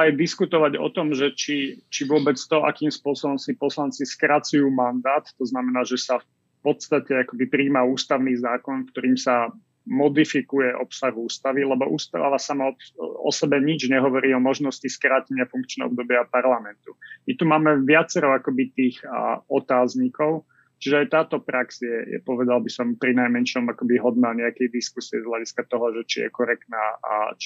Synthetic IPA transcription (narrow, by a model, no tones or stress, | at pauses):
ajd̪iskut̪ɔʋaɟɔ̰t̪ɔmʒɛt͡ʃit͡ʃiʋʊɔbɛt͡st̪ɔʔa̰kiːmspʊɔsɔbɔmsipɔslant͡siskɾat͡sujuːmand̪aːt̪ːɔznamɛnaːʒɛsaf | pɔt̪st̪acɛakɔbipɾiːmauːst̪aʊniːzaːkɔnkt̪ɔɾiːmsa | mɔd̪ifikujɛʔɔpsaɣuːst̪aʋilɛbɔʔuːst̪a̰ʋasamaɔɔ̰sɛbɛɲid͡ʒɲɛɦɔʋɔɾiːɔmɔʒnɔsciskɾaːcɛɲɪafuŋkt͡ʃnɛ̰ɦɔ̰b̚d̪ɔbɪapaɾlamɛnt̪umit̪umaːmɛʋɪat͡sɛɾɔakɔbit̪iːxɔt̪aːzɲikɔʊ | t͡ʃiʒɛajt̪aːt̪ɔpɾaksjɛjɛ̰pɔʋɛd̪albisɔmpɾinajmɛnʃɔmakɔbiɦɔd̪naɲɛakɛjd̪iskusiɛ̰zɦlaɟiskat̪ɔɦɔʒɛt͡ʃijɛ̰kɔɾɛkt̪na̰ːt͡ʃ